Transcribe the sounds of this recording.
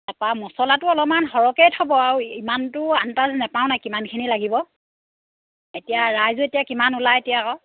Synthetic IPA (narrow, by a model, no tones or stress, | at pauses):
nɛpamɔsɔlatʊɔlɔmanɦɔɹɔkejtʰɔbɔaɹuimantʊantaznɛpaʊ̃najkimankʰinilaɡibɔ | etijaɹajzɔetijakimanulaetijakɔ